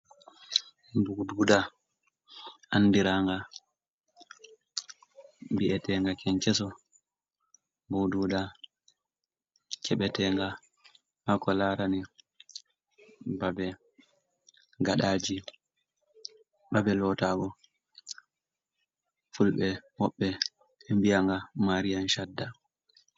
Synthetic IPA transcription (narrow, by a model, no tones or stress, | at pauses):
bududa | anːdiɾaŋɡa | biɛtɛŋɡakɛɲt͡ʃɛsɔ | buduːda | t͡ʃɛɓɛtɛŋɡa | hakɔlaːɾani | babɛ | ɡaɗaːd͡ʒi | ɓabɛlɔtaːɓɔ | fulɓɛmɔɓːɛ | mbijaŋɡamaɾijanʃadːa